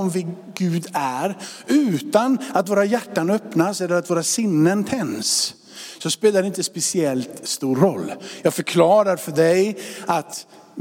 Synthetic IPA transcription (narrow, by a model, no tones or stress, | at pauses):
ɔmvɪ | ɡʉ̟ːd̪æɾʉ̟ːt̪anat̪voːɾajæʈːanœpnasɛlːəɾat̪voːɾasɪnːənt̪ʰɛns | sɔspeːlaɖɛɪnt̪əspɛsɪɛlt̪st̪uːɾɔlːjɑːɡfœɾkʰlɑːɾaɾfœɖɛjat̪